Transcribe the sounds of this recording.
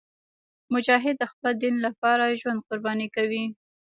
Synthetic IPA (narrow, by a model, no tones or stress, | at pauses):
mʊd͡ʒɑɦɪd̪̚ːəxpəld̪inlapɑɾaʒwand̪̚qʊɾbɑnikawi